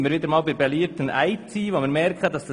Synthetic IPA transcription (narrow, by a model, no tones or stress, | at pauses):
ɪmːəɾviːd̪əɾmɑːlbɪɾbɛliːtənʔæɪt͡siːʋomiːɾmɛɾkχədɑsd̥ɑ